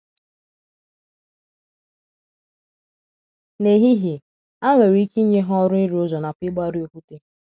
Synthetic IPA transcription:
ne˨ɦi˦ɦi˨ | a˦ŋʷe˨ɾi˦ki˦ɲe˦ɦɔ˦ɾʊ˦i˦ɾi˨ʊ˦zɔ˨na˨pɪ˦ɡ͡ba˦ɾi˦o˦kʷu˦te˦

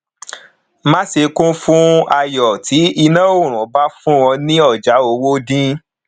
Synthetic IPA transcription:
mã˦se˧kũ˦fũ˦a˧jɔ˨ti˨˦i˧nã˦o˦˨ɾ̃ũ˨˦ba˦fũ˦wɔ̃˧nĩ˦ɔ˦˨d͡ʒa˨˦o˧˦wo˦dĩ˦

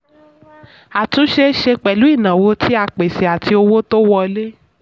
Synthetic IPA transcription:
a˨tũ˨˦ʃe˧˦ʃe˧k͡pɛ˨lu˨˦i˦˨nã˨wo˧tʰi˦a˧k͡pe˨se˨a˨ti˧o˧wo˦to˦wɔ˧le˦

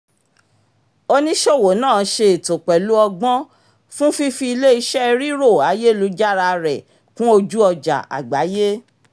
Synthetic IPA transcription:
o˧nĩ˦ʃo˦˨wo˨˦nãː˦˨˦ʃe˧e˨to˨k͡pɛ˨lu˨˦ɔ˧ɡ͡bɔ̃˦ | fũ˦fi˦fi˧i˧le˦i˧ʃɛ˦˧ɾi˦ɾo˦˨a˨˦je˦˨lu˨˦d͡ʒa˦ɾa˧ɾɛ˨ | kũ˦o˧d͡ʒu˦ɔ˧d͡ʒa̰˨a̰˨ɡ͡ba˨˦je˦

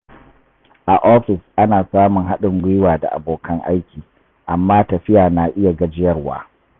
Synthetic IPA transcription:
ʔa˨ʔoː˦ɸɪ˨sʔa˦naː˨saː˦mʊ˨ŋɦa˦ɗɪ˨ŋɡʷɪ˦waː˨da̰˨ʔa̰˨boː˨kʰɐ˦ŋʔa̰˦jkʲiː˨ | ʔa˨mːaː˦tɐ˨ɸɪ˦jaː˨na˨ʔɪ˦ja˨ɡɐ˦d͡ʒɪ˦jɐ˦rwa̰ː˦

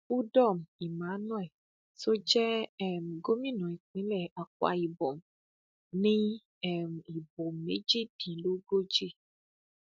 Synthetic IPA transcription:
u˦dɔ˦˨m̩˨i˨mã˨˦nɔ̃˦ɛ˨ | so˦d͡ʒɛ˦ɛ˦˨m̩˨ɡo˦mĩ˦˨nɔ̃˨i˨k͡pĩ˨˦lɛ˦˨a˨k̚wa̰˧i˨bo˨m˨ | nĩ˦ | ɛ˦˨m̩˨i˨bo˨m˨e˨˦d͡ʒe˦d̥ĩ˨lu˨˦ɡo˦d͡ʒe˦

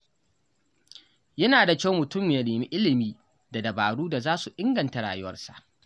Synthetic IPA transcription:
jɐ˦naː˨da˨kʲa˦˨˦mʊ˨tʊ˦mː˨ja˦neː˨mi˦ʔɪ˦lɪ˨miː˦ | da˨dɐ˨baː˨ɽuː˦da˨zaː˦su˨ʔɪ˦ŋɡɐ˨nta˨ɽa̰ː˨jʊ˦wɐ̰˦rsa˨ʔ

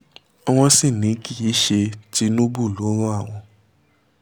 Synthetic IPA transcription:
ɔ˦w̃ɔ̃˧si˦˨nĩ˨˦ki˦˨i˨˦ʃe˧ti˦nũ˦bu˦˨lo˨˦ɾɔ˦a˦˨w̃ɔ̃˧

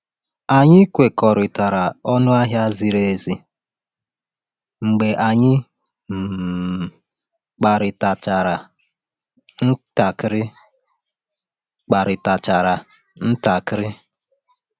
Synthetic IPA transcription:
a˨ɲɪ˦kʷe˨kɔ˨ɾɪ˨ta˨ɾa˨ɔ˦nʊ˦a˦ɦja˦zi˨ɾe˦zi˨ | ŋ͡m̩˨ɡ͡be˨ʔa˨ɲɪ˦ | m̩˨ | k͡pa˨ɾɪ˨ta˨t͡ʃa˨ɾa˨ | n̩˦ta˨kɾɪ˦ | k͡pa˨ɾɪ˨ta˨t͡ʃa˨ɾa˨ | n̩˦ta˨kɪ˦ɾɪ˦

